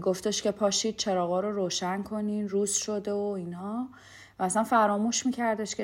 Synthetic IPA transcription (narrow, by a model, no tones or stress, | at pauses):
ɡo̞ft̪eʃce̞pʰɒːʃiːd̪̚t͡ʃʰe̞ɾɒːɣɒːɾoɾoːʃænkʰo̞ninruːzʃo̞d̪eoinhɒ | væːsænfæɾɒːmuːʃmiːcʰæɾd̪eʃce